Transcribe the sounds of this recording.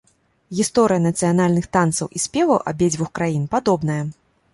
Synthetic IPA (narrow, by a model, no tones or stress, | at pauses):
ɣʲist̪ɔɾɨjɐnɐt̪sɨjanalʲnɨxt̪ant̪sɐ̰wʔisʲpʲɛvɐwʔɐ̰bʲɛd͡zʲvuxkɾajinpad̪ɔbnɐjɐ